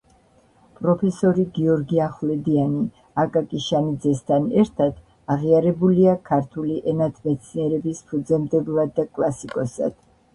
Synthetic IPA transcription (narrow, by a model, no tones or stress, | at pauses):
pʼɾɔpʰɛsɔɾiɡiɔɾɡiaχlɛd̪iani | akʼakʼiʃanid̪zɛst̪ʰanɛɾt̪ʰad̪ | aʁiaɾɛbuliakʰaɾt̪ʰuliʔɛnat̪ʰmɛt̪sʰniɛɾɛbispʰɾud̪zɛmd̪ɛblad̪ːakʼlˠasikʼɔsa̰d̪̥